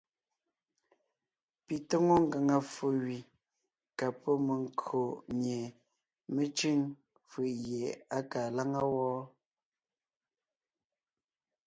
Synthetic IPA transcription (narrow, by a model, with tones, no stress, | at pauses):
pi˨tɔ˦ŋo˦ŋ̩˨ɡa˨ŋa˨fo˨wɥi˨ | ka˨pɔ˦me˨ŋ˦kʰo˨ʔmje˨ | me˦t͡ʃi˦ŋ | fɯ˨ʔɣje˨a˦ka˨la˦ŋa˦wɔː˦